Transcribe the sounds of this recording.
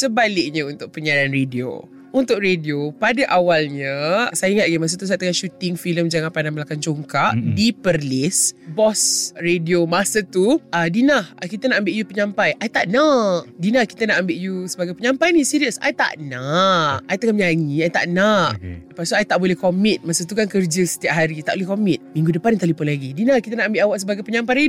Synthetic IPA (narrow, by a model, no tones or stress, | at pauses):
səbalɪk̚ɲə̃unt̪ʊʔ̚pəɲananredio̰ | unt̪ʊkɾediopadaʔawalɲə̃sajaiŋat̪̚ɡimas̬ət̪us̬ajt̪əŋanʃut̪ɪŋfiləmd͡ʒaŋanpandaməlakant͡ʃoŋkaʔdipərlɪsbɔsrediomasət̪uədinahkit̪ənaʔambeʔjupəɲãmpajʔait̪aʔnaʔdinahki̥t̪ənaʔambeʔjusəbaɡajpəɲãmpajnisiɾiəsa̰jt̪a̰ʔnaʔajt̪əŋamɲaŋiait̪a̰ʔnaʔəpast̪uajt̪aʔbolɛhkomĩt̪̚masət̪ukankərd͡ʒəsə̥t̪iap̚ɦaɾit̪aʔbolɛhkomĩt̪̚mĩŋɡudəpant̪alipʊnlaɡidinahkit̪ənaʔambeʔawaʔsəbaɡajpəɲampajɾe